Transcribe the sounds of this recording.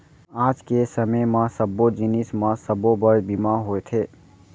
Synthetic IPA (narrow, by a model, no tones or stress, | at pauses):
aːd͡ʒkesəməjmãsəbod͡ʒɪnismãsəbobəɾbimaɦoet̪ʰeː